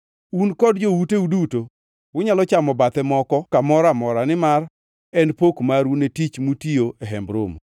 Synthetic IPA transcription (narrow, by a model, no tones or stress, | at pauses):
unkɔdd͡ʒowuteuduto | wʊɲalɔt͡ʃamɔbat̪ɛmɔkɔkamɔɾamɔɾanɪmar | ɛnpokmaɾunetit͡ʃmutioeɦɛmbɾo̰mu